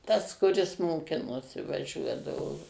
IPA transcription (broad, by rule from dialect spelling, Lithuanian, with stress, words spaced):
tɐs kʊˈrʲɪs moːˈkʲɪnoːsʲɪ ʋɐˈʒʲuɔdɐʋoː